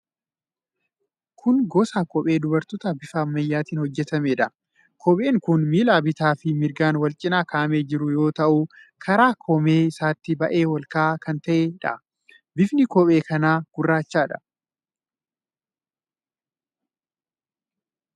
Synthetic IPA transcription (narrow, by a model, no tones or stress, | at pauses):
kʰʊnɡɔːsaːkɔpʼe̞ːd̪ʊbɐɾt̪ɔt̪ɐbɪfɐːmːɐjːaːt̪iːnhɔd͡ʒːɛt̪ɐmeːᶑɐ | kʰɔpʼe̞ːŋkʊnmiːlaːbɪt̪aːfɪmɪɾɡaːnwɐlt͡ʃʼɪnaːkʰaːmeːd͡ʒɪɾʊjo̞ːt̪ɐʔu | kʰɐɾaːkʰɔmeːɪsaːt̪ːɪbɐʔe̞ːwɐlkaːkɐnt̪ɐʔeːᶑɐ̰ | bɪfnɪkɔpʼe̞ːkɐnaːɡ̥ʊrːaːt͡ʃːaːᶑɐ̥